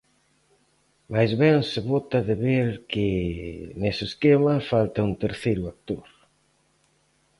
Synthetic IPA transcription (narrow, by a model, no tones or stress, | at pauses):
majzβɛŋsɪβot̪ɐðɪβeɾkɪ | nesɪːskemɐfalt̪ɐunt̪eɾθejɾʊak̚t̪oɾ